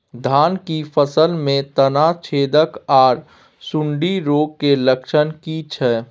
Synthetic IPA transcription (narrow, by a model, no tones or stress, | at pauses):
d̪ʱaːnkipʰəsəlmẽt̪ənat͡ʃʰeːd̪əkaːɾ | sʊ̃ɳɖiɾoːɡ̚keləkʃənkit͡ʃʰɛː